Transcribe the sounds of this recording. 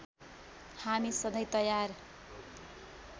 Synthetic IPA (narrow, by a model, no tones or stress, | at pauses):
hamisʌd̪ʌjt̪ʌjar